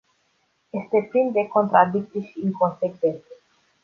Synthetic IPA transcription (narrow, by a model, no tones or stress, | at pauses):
jest̪eplind̪eko̞nt̪ɾad̪ik̚t̪sʲjeʃiːŋko̞nsekvent̪se